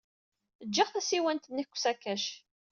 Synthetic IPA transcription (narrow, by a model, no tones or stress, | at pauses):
əd͡ʒːəχθæsiwænt̪ənːiçkʷːsækːæʃ